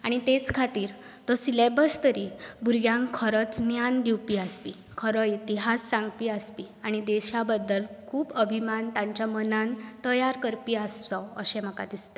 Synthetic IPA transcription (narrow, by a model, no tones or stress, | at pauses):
aɽ̃it̪et͡skʰat̪iːɾ | t̪əsilebəst̪əɾibuɾɡjãŋkkʰəɾət͡snjand̪iwpiaspi | kʰəɾəit̪iɦasːãŋɡpiːəspi | aɽ̃id̪eɕabəd̪ːəlkʰuːbəbʱimant̪ãɲt͡ɕjamənant̪əjaɾkəɾpiːəst̪ɔəɕẽm̤əka̰d̪ist̪a